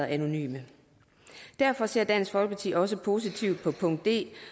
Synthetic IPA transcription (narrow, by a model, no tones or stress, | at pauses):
æno̝ny̰ːmə | d̥æɐfɒ̽se̝ɐ̰d̥æn̰sfɒ̽l̰ɡ̥̚pʰɑ̈t͡sʰḭːɒ̽s̬əpʰo̝ːs̬it͡sʰiʊ̰d̥̚pʰɒ̽pʰɔ̽ŋd̥ːe̝̰ː